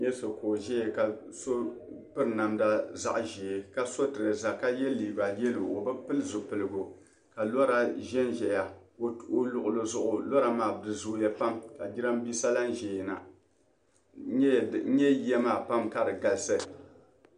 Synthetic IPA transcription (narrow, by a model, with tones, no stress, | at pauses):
jɛ˦so˨koː˨ʒɛ˦je˨ka˨ | so˦pɨ˦ɾna˨mda˦za̰˦ʔʒɛ˨e˨ka˦so˦tɨ˨ɾɨ˨za˨ka˦jɛ˦lːiː˨ba˨jɛ˦lo˨o˨bɨ˦pɨ˦lzʊ˨pɨ˨lɨ˨ɡo˨ | ka˨lɔ˦ɾa˦ʒɛ˦nʒɛ˨ja˨o˨ʔo˦lʊ˨ʔʊ˨lo˨zʊ˨ʔʊ˨lɔ˦ɾa˨maː˨dɨ˨zu˦ja˦pa˦mka˨d͡ʒi˦ɾa˦m˦bi˦sa˦la˦nʒe˨jna̰˨˦˨ | ɲɛ˦jɛ˦maː˨pa˦mka˦dɨ˨ɡa˨lsɨ˦